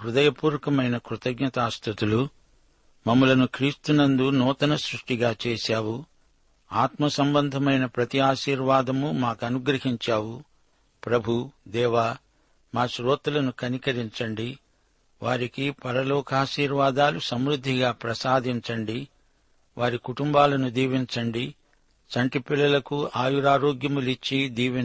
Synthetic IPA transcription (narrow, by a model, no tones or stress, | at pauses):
ɦɾud̪ɐjɐpuːɾɐkɐmɐjnɐkɾut̪ɐɡɲɐt̪aːst̪ʰut̪ulu | mɐmɐlɐnukɾiːst̪unɐnd̪unɔːt̪ɐnɐsɾuʂʈiɡaːt͡ʃeːʃaːwu | aːt̪mɐsɐmbɐnd̪ʱɐmɐjnɐpɾɐt̪iaːʃiːɾʋaːd̪ɐmumaːkɐnuɡɾɐɦiɲt͡ʃaːwu | pɾɐbʱud̪ɛːʋaː | maːʃɾoːt̪ulɐnukɐnikɐɾiɲt͡ʃɐɳɖi | ʋaːɾikipɐɾɐloːkaːʃiːɾʋaːd̪aːlusɐmɾud̪ʱːiɡaːpɾɐsaːd̪ʱiɲt͡ʃɐɳɖi | ʋʔaːɾikuʈumbaːlɐnud̪iːʋiɲt͡ʃɐɳɖi | t͡ʃɐɳʈipilːɐlɐkuaːjuɾaːɾoːɡjɐmulit͡ʃːid̪iːʋi